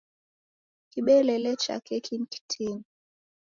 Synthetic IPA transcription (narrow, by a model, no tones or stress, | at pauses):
kiɓɛlɛlɛt͡ʃa̰kʰɛkʰinki̥tʰin